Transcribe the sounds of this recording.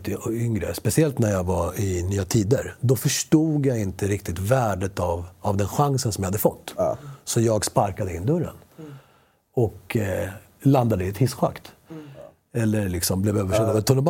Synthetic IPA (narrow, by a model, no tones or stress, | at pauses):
t̪ʏŋɾə̰spɛsɪɛlt̪næɾjɑɡvaɪnyːat̪ʰiːd̪əɾd̪ɔfœʂʈuːɡjaɪnt̪əɾɪkt̪ɪt̪væːɖət̪avavd̪ɛnɧaŋsənsɔmjahad̪ːəfɔt̪ːsɔjɑːɡspaɾkad̪əɪnːd̪ɵɾːə̰n | ɔk | land̪ad̪əɪɛt̪ʰhɪsɧa̰kt̪ | ɛlːəɾɭɪksɔmblɛvøːvəʂɛd̪vɛt̪ʰʊnːəba